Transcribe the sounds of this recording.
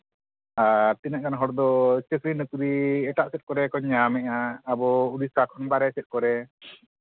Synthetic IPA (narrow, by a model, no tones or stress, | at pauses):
aɾt̪inaʔkanɦɔɽd̪ɔt͡ʃəkɾinəkɾiɛʈaʔsɛt̪̚kɔɾɛkɔɲːamɛʔaːbɔuɾisakʰɔnbaɾɛsɛt̪̚kɔɾɛ